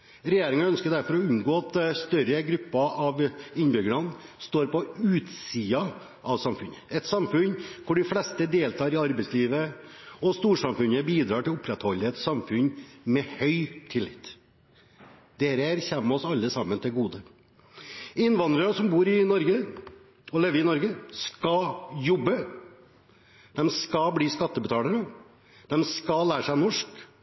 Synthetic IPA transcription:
ɾɛjeːɾɪŋɑœnskəɖ̪æɾfɔɾɔʉŋɡoːɑt̪st̪œɾəɡɾʉpːɑʔɑʋɪnbʏɡəɳɑnst̪oːɾpɔʉːt̪siːɑ | ʔɑʋsɑmfʉnəɛt̪sɑmfʉnkʰʊɖɪflɛst̪əd̪eːlt̪ʰɑːɾɪɑɾbɛɪsliːʋə | ɔst̪uːʂɑmfʉnəbiːd̪ɾɑːʈɪlʊpʰːɾɛt̪hɔlːəɛt̪sɑmfʉnmɛhœʏt̪ʰɪlːɪt̪ː | d̪eːɾəæɾçɛmːɔsɑlːəsɑmːənt̪ʰɪlɡuːd̪ə | ɪnʋɑnd̪ɾəɑsɔmbuːɾɪnɔɾɡə | ɔleːʋəɾɪnɔɾɡəskɑjɔbːə | d̪̥ɛmskɑbliːskɑt̪ːəbət̪ʰɑːləɾə | d̪̥ɛmskɑlæːʂæɪnɔʂk

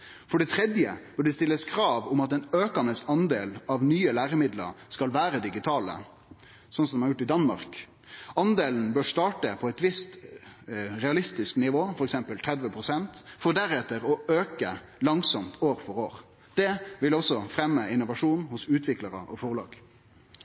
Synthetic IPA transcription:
fɔɖɛt̪ʰɾɛd̪jə̰b̥œɖɛst̪ɪlːəskʰɾɑːʋʊmɑt̪ɛːnøːkɑnəsɑnd̪eːlɑʋnyːəlæːɾəmɪd̪lə̰ɾskɑlʋæːɾəd̪ɪɡɪt̪ʰɑːlə̰ | sɔnsɔmɛæɾjʊʈːɪd̪ɑnmɑ̰ɾk | ɑnd̪eːln̩bøːɾst̪ɑːʈəpʰɔɛɪt̪ʋɪst̪ | ɾɛɑlɪst̪ɪsknɪʋoːfɔɾɛksɛmpəlt̪ʰɾɛd̪ʋəpʰɾʊsɛnt̪fɔd̪æɾɛt̪ːəɾɔøːkə | lɑŋsɔmt̪oːɾfɔɾoːɾ | d̪̥ɛʋɪlɔsːɔfɾɛmːəɪnːʊʋɑʂuːnhʊsʉːt̪ʰʋɪkləɾəʔɔfɔʁlɑ̰ːɡ̥

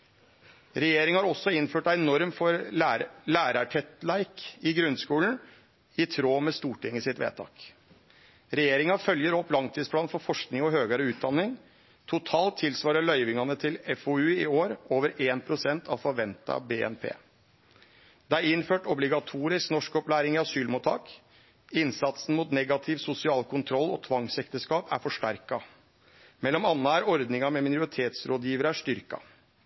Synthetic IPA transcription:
ɾɛjeːɾɪŋhɑɾɔsːɔɪnːføːʈæɪnɔɾmfɔɾ | læːɾɑʈʰɛt̪læɪkɪɡɾʉnskuːln̩ | ɪt̪ʰɾoːmɛst̪uːʈɪŋːəsɪt̪ʋḛːt̪ʰɑ̰ːk | ɾɛjeːɾɪŋɑfœljəɾɔpːlɑŋt̪ʰiːspʰlɑːnfɔɾfɔʂknɪŋɔɦøːɡɑɾəʉːt̪̚d̪ɑnːɪŋ | t̪ʰʊt̪ʰɑːlt̪ʰːɪlsʋɑːɾəɭœʏʋɪŋɑnət̪ʰɪlɛfoʉɪoːɾoːʋəɾeːnpʰɾʊsɛnt̪ʰɑʋfɔɾʋɛnt̪ɑ̰beːɛ̰npʰḛː | d̪ɛæɾɪnføːʈɔblɪɡɑt̪ʰuːɾɪsknɔʂkɔplæːɾɪŋɪɑsyːlmuːt̪ʰːɑːk | ɪnsɑt̪sn̩muːt̪nɛɡɑt̪ʰɪʋsʊsɪɑːlkʊnt̪ʰɾɔlːɔt̪ʰʋɑŋsɛkt̪əskɑːpæ̰ɾfɔʂʈæɾkɑ | mɛlːɔmɑnːəæɾɔɾd̪nɪŋɑmɛmɪnʊɾɪt̪ʰeːt̪sɾoːd̪jiːʋəɾəæʂt̪ʏɾkɑ̰

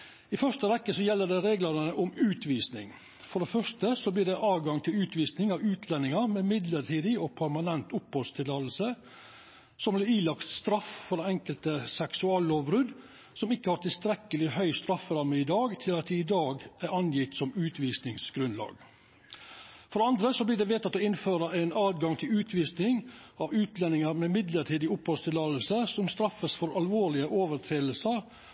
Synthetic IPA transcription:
ɪfœʂt̪əʋɛkːəsɔjɛlːəɖɛɾeːɡlɑɾnəʔʊmʉːt̪ʰʋiːsnɪŋ | fɔɖɛfœʂtəsɔblɪːɖɛʔɑːʋɡɑŋt̪ʰɪlʉːt̪ʋiːsnɪŋɑʋʉːt̪ʰlɛnɪŋɑmɛmɪd̪ləʈʰiːd̪ɪɔpʰæɾmɑnɛnt̪ʊphɔlst̪ʰɪlɑːləl̩sə | sɔmblɪɾiːlɑkt̪st̪ɾɑffɔɾd̪ɛɛŋkəlt̪əsɛksʉɑːloːbɾʉd̪ | sɔmɪkːəhɑɾt̪ɪlst̪ɾɛkəlɪhœʏst̪ɾɑfːəɾɑɾməɪd̪ɑːɡt̪ʰɪlɑt̪̚d̪ɪɪd̪ɑːɡæɾɑnjɪt̪sɔmʉːt̪ʰʋiːsnɪŋsɡ̥ɾʉnlɑ̰ːɡ | fɔɾɖ̪ɛɑnd̪ɾəsɔblɪɖ̪ɛʋeːt̪ɑt̪ːoːɪnføːɾəæɪnɑːt̪ɡɑŋt̪ʰɪlʉːt̪ʰʋiːsnɪŋɑʋʉːt̪lɛnːɪŋəɾmɛmɪd̪ləʈʰiːd̪ɪʊphɔst̪ɪlɑːd̪lsəsɔmst̪ɾɑfːəsfɔɾɑlʋoːɭɪəʔoːʋəɾʈʰɾeːll̩səɾ

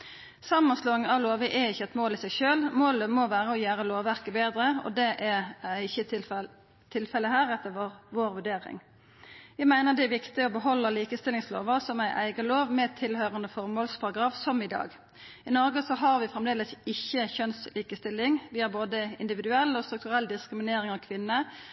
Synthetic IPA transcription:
sɑmːənsloːɪŋɑʋloːʋəʔɛɪçːəɛt̪moːlɪsæɪʃøːlmoːləmoʋæːʁəɔjæːʁəloːʋːæʁkəbeːd̪ɾəɔ̰d̪ɛʔɛɪçːə | t̪ʰɪlfɛləhæːʁɛt̪ːəʋʁʋoːɾʋʉɖeːɾɪ̰ŋ | ʋɪmæɪnəʁd̪ɛɛʋɪkt̪ɪɔbəɦɔlːəliːkəst̪ɪlɪŋslo̰ːʋəʁsɔmæɪʔæ̰ɪɡəloːʋmɛt̪ʰɪlhøːʁənd̪əfɔʁmoːlspʰɑʁɑɡɾɑːfsɔmɪd̪ɑ̰ːɡ | ɪnɔɾɡəsɔɦɑʁʋɪfɾʁɛmd̪eːləsɪçːəçœnsliːkəst̪ɪlːɪŋʋɪhɑɾboːd̪əɪ̰nd̪ɪʋɪd̪ʉɛlːɔst̪ɾʉk̚t̪ʉʁɛlːd̪ɪskɾɪmɪneːɾɪŋɑʋkʰʋɪnːə

